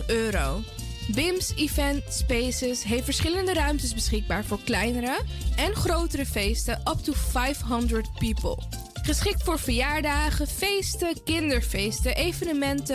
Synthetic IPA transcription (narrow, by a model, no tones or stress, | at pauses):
øːɾow | bɪmsivɛntspejsəsɦejftfəɹsχɪləndəɾœɥmtəsbəsχɪɡ̚baːɹvʊːɹklɛjnəɾəʔɛnχrowtəɾəfejstəʔʌp̚tufajfɦɑndɹət̚pipə̰lˠ | χəsχɪk̚tfʊːɹvəɹjaːɹdaːχəfejstəkɪndəɹfejstəʔejvənəmɛntə